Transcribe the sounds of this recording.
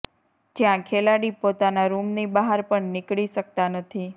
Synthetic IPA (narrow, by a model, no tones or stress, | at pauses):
d͡ʒjãkʰelaɽipot̪anaɾumnibaɦaɾpəɳnɪkɭiʃək̚t̪anət̪ʰi